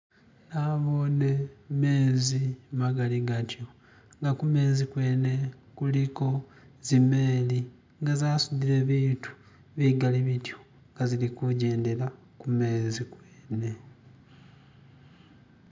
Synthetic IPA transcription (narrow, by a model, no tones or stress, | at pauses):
naβo̞neme̞ːzimaɡaliɡatjo̞ | ŋɡakume̞ːzikwe̞ːne̞ | kuliko̞ | zime̞ːli | ŋɡazaːsud̪iɾe̞βiːtu̥ | βiɡaliβitjo̥ | ŋɡazilikuɟe̞ːnde̞la | kume̞ːzikweːne̞